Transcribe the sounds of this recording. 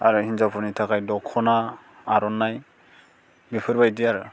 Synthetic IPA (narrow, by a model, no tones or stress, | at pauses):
a̰ɾɯhinzawpʰuɾnitʰakajdɔkʰːɔnaː | ɾɔnːaj | bipʰɯɾbajdiaɾ